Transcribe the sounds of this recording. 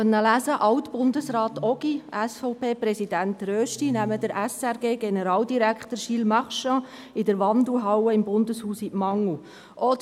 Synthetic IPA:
œnːəlæːzəʔɑwtb̥ʊndəsrɑːt̪ɔɡ̥iʔɛsfɔʊpeːpɾɛsidæntɾøːʃtinæməd̥əɾæsɛɾɡeːɡenəɾɑːldiɾækχt̪əɾʃilmɑχʃɑ̃ | ɪdəɾʋɑnd̪uɦɑwəɪmbʊndəshuːsiʔmɑŋu | ʔɔ

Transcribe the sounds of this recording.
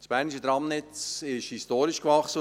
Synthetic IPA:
sb̥æːɾniʃəd̪ɾɑmnɪt͡sɪʃhistoːɾiʃkvɑχsə

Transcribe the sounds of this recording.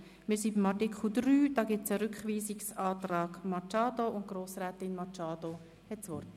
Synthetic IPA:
mɪːɾsibimɑrtikʰχl̩d̪ryːd̥ɑːɡɪt͡səɾʏkχʋiːsɪksɑːt̪rɑːɡ̥mɑt͡ʃɑːdoʊnt̚ɡ̥roːsɾæːtɪnmɑt͡ʃɑːd̥o | hɛtsʋɔrt

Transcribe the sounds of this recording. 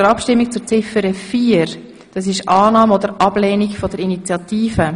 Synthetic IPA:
əɾɑpʃtɪmːik̚t͡suɾt͡sɪfəɾəfiːəɾ | d̥ɑs̬ɪʃʔɑːnɑːmodəɾʔɑb̥leːniɡfɔdəɾinit͡sjɑtiːfə

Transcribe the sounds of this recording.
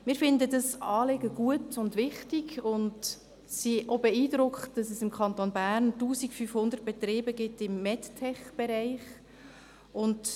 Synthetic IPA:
mɪːɾfɪndədɑsɑːleɡəɡ̥uətʊndʋɪχtiɡʊnd | siʔobɛiːdɾʊkχtd̥ɑsɛsɪmkʰχɑntonbæɾntuːsikfyfhʊndərt̚b̥ɛtɾiːbəɡɪtɪmːɛttʰɛχb̥ɛɾaɪχ | ʊnd

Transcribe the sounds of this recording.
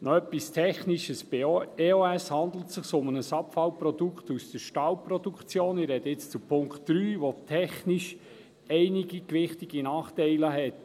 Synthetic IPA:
nɔœpːistʰɛχniʃəsbeeoæshɑnd̪l̩tsɪχsʊmənəsɑpfɑlwprɔd̥ukχtusd̥əɾʃtɑlprɔdukt͡sjoːnɪɾɛd̥əɪt͡st͡supʰʊŋktːɾyːʋotʰɛχniʃ | ɛɪniɡikʋɪχtiɡ̥inɑːχtɛɪləɦɛt

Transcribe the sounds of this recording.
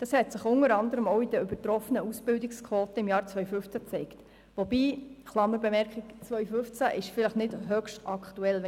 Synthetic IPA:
d̥ɑshɛtsɪχʊnəɾɑndəɾəmoʊid̥əʏb̥ətɾɔfənəusb̥ɪldɪkskʰʋoːtəɪmjɑːɾt͡sʋœʏfʏft͡sæt͡sɛɪkt | ʋɔbiːχlɑməɾbɛmɛɾkχikt͡sʋœʏɥfʏft͡sæʔɪʃfɪləχnɪdhœkʃtɑkʰtuɛlʋɛ

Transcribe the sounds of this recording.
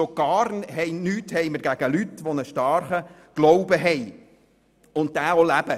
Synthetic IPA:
oɡ̥ɑːrnɦɛɪnyːthɛjməɾɡæɡ̥əlytʋonəʃtɑːɾχə | ɡ̥loʊbəɦɛj | ʊnt̚dæːolæb̥ə

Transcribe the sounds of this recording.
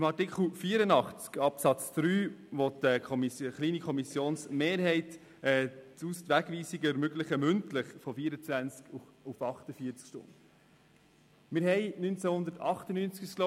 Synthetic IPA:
ɪmɑɾtikχl̩fiːəɾənɑχt͡skɑpsɑt͡sd̪̥ɾyːʋɔtəkʰɔmisəχliːnikʰɔmisjoːnsmeːɾɦɛɪt | ɛːt͡sust̪ʋæɡʋiːsiɡəɛɾmʏɡlɪχəmʏntləχfɔfiːəɾət͡sʋænt͡sk | ʊfɑχtəfiːət͡skʃtʊ̰nd | mɪɾhɛɪnynt͡sæhʊnd̪ətɑχtənyːnt͡skysklo

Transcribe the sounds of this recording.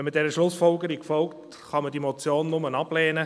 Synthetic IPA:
mɪtd̥ɛɾəʃlʊsfɔlɡəɾikfɔlkt | χɑməd̥imɔt͡sjoːnːʊmənɑb̥lɛːnə

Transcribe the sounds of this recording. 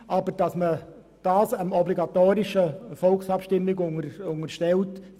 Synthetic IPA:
ʔɑbəɾd̥ɑsmə | d̥ɑːsəmɔbliɡɑtoːɾɪʃəfɔlksɑpʃtɪmːɪɡʊŋəʊŋərʃtɛlt

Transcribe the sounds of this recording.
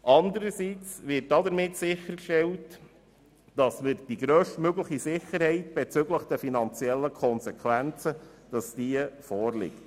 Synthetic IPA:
ʔɑnd̪əɾəsit͡sʋɪt̚dɑdəɾmɪtsɪχəɾkʃtɛlt | d̥ɑsməɾd̥iɡɾœːʃtmøɡləχisɪχəɾhɛɪtb̥ɛt͡sʏɡləχd̥ɛfinɑnt͡siɛlːəkʰɔnsɛkʰχʋænt͡səd̥ɑsd̥iəfɔːrlɪ̰kt

